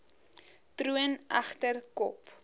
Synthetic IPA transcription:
tɾuənɐχtərkɔp

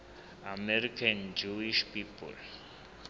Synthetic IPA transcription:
ameɾkend͡ʑuiʃpipo̰l

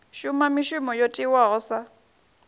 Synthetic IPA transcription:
ʃʊmamɪʃʊmɔjotʼɪwaɣʊsa

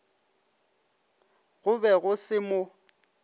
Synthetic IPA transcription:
ɣʊbɛɣʊsɪmʊ

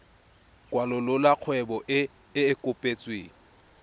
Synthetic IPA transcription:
kʼwalʊlʊlaq͡χʰwɛbɔʔː | kʼʊpʼet͡sʼweːŋ̩

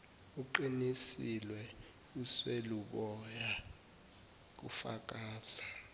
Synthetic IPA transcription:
uǃinisilwɛ | usweluɓɔja | k̬ṵfa̰k̬aːzḁ

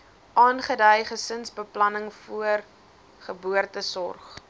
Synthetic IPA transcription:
ʔɑːnχədœjχəsənsbəplɐnəŋfuər | χəbuərtəsɔrχ

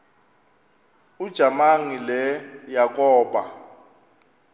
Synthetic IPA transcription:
ud̥ʒ̥ʱamaŋilɛjak̬ʼɔːɓa

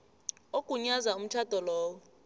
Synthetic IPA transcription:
okʼuɲazaum̩t͡ʃʰad̥ʱʼɔlɔːwɔ

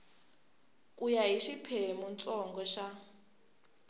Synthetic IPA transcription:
kʼujaɦiʃipʰemunt͡sʼɔŋɡɔʃa

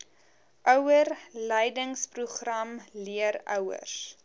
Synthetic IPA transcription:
ʔœwərləjdəŋspruχrɐmliəɾœwə̰rs

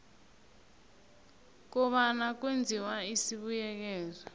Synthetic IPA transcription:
k̬ɔɓanak̬wend͡zʱiwaisiɓujɛk̬ɛːzɔ

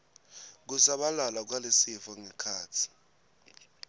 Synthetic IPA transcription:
k̬usaɓalalak̬walesifɔŋɛkʰaːtʰi̥

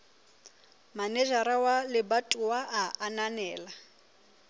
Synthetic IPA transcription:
manɛʒaɾawalɪbatʼuwaʔaananɛːla

